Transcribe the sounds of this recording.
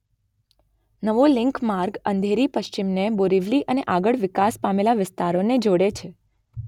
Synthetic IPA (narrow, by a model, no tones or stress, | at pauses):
nəʋolɪŋkmaɾɡənd̪ʱeɾipəʃt͡ʃimneboɾiʋliʔəneʔaɡəɭʋɪkaspamelaʋɪst̪aɾoned͡ʒoɽet͡ʃʰe